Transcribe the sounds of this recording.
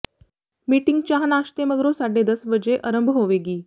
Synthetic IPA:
miʈiŋɡt͡ɕaɦnaɕt̪eməɡɾosaɖed̪əsʋəd͡ʑeʔəɾəmbʱɦoʋeɡiː

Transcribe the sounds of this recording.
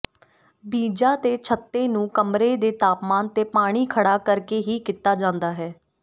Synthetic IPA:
biːd͡ʒaːt̪eːt͡ʃʰət̪ːẽːnũːkəmɾeːd̪eːt̪aːpmaːnt̪eːpaːɽ̃iːkʰəɽaːkəɾkeːɦiːkɪt̪ːaːd͡ʒãːnd̪aːɦɛː

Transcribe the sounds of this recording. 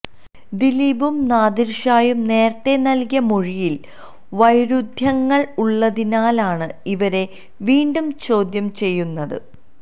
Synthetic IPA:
d̪iliːbumnaːd̪iɾʂaːjumne̞ːrt̪e̞nɐlkijɐmoɻijil | ʋɐjɾud̪ʱjɐŋːɐɭuɭːɐðinaːlaːɳɨiʋɐɾe̞ | ʋiːɳɖumt͡ɕo̞ːd̪jɐmt͡ɕe̞jːunːɐðɨ̰

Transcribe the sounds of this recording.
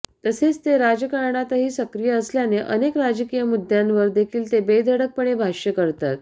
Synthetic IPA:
t̪əset͡st̪eɾad͡ʑəkaɾɳat̪əɦiːsəkɾijəəsljaneʔənekɾad͡ʑəkijəmud̪ʱjanʋəɾd̪ekʰiːlt̪ebed̪ʱəɽək̚pəɳebʱaʂjəkəɾt̪at̪̚

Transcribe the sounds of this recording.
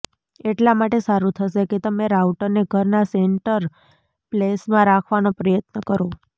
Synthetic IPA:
eʈlamaʈesaɾũt̪ʰəʃeket̪əmẽɾauʈəɾneɡʱəɾnaseɳʈəɾ | plesmãɾakʰʋanopɾəjət̪nəkəɾo

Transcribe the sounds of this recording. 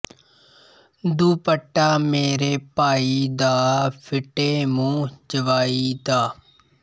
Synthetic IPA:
d̪uːpəʈːaːmeːɾeːpaːiːd̪aːpʰɪʈeːmũːd͡ʒəʋaːiːd̪aː

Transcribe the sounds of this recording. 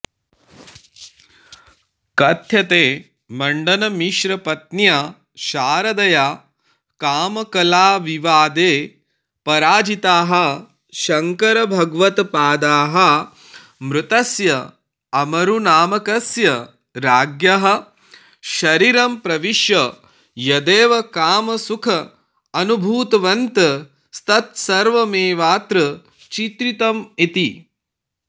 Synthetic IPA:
kɐt̪ʰjɐt̪eː | mɐɳɖɐnɐmiʃɾɐpɐt̪̚njaː | ʃaːɾɐd̪ɐjaː | kaːmɐkɐlaːʋiʋaːd̪eː | pɐɾaːd͡ʒit̪aːɦɐ̆ | ʃɐŋkɐɾɐbʱɐɡʋɐt̪paːd̪aːɦɐ | mɾut̪ɐsjɐ | ɐmɐɾunaːmɐkɐsjɐ | ɾaːɡjɐɦɐ̆ | ʃɐɾiɾɐmpɾɐʋiʃjɐ | jɐd̪eːʋɐkaːmɐsukʰɐ | ɐnubʱuːt̪ɐʋɐnt̪ɐ | st̪ɐt̪sɐɾʋɐmeːʋaːt̪ɾɐ | t͡ʃit̪ɾit̪ɐmit̪i

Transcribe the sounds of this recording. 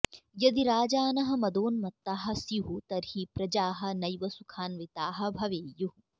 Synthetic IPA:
jɐd̪iɾaːd͡ʒaːnɐɦɐ̆mɐd̪oːnmɐt̪ːaːɦɐ̆sjuɦut̪ɐɾhipɾɐd͡ʒaːɦɐ̆nɐjʋɐsukʰaːnʋit̪aːɦɐ̆bʱɐʋeːju

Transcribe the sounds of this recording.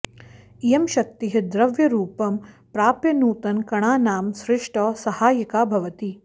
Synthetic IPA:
ijɐmʃɐk̚t̪iɦɐd̪ɾɐʋjɐɾuːpɐm | pɾaːpjɐnuːt̪ɐnkɐɳaːnaːmsɾɪʂʈɔːsɐhaːjɐkaːbʱɐʋɐt̪i

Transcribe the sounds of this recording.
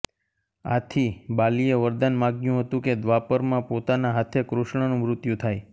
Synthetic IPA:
at̪ʰibalieʋəɾd̪anmãɡjũɦət̪ũked̪ʋapəɾmãpot̪anaɦat̪ʰekɾuʃɳ̃ənũmɾʊt̪jũt̪ʰaj

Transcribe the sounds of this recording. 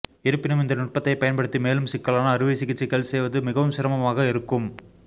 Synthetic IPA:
ɪɾɯpːɪnɯmɪnd̪ɐnʊʈ̚pɐt̪ːɐɪpɐjɐnpɐɽɯt̪ːimeːlɯmsɪkːɐɭaːnɐːɾɯʋeːsɪɣɪt͡ʃːɪkːɐlsɛjʋɐðɯmɪɣɐʋɯmsɪɾɐmɐmaːɣɐɪɾɯkːɯm

